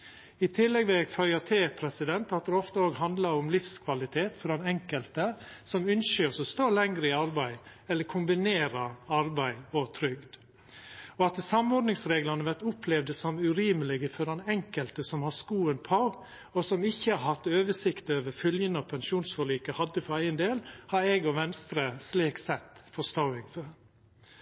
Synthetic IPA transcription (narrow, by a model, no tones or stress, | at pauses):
ɪt̪ʰɪlːɛɡʋɛɡfœʏɑt̪ʰeːpʰɾɛsɪd̪ɛnt̪ɑt̪̚d̪ɛɔft̪əoːɡɦɑnd̪lɑɾʊmlɪfskʰʋɑlɪt̪ʰeːt̪fɔɾd̪ɛnɛŋkəlt̪əsɔmʉnʃʏɔsɔst̪oːlɛŋɾəɪɑɾbæɪɛlːəɾkʰʊmbɪneːɾɑɑɾbæɪɔt̪ʰɾʏɡd̪ | ɔɑt̪sɑmɔɾd̪nɪŋsɾeːɡlɑnəʋæʈ̪ʊpʰlɛʋd̪əsɔmʉɾiːməlɪɡəfɔɾɑnɛŋkəlt̪əsɔmhɑskuːənpʰɑ | ɔsɔmɪçːəɑɾhɑt̪ːøːʋəʂɪkt̪əøːʋəɾfœljənəɔpʰɛnʃuːnsfɔɭiːkəhɑd̪ːəfɔɾæɪənd̪eːlhɑɾɛɡɔʋɛnst̪ɾəsliːksɛt̪ːfɔst̪oːɪŋfɔɾ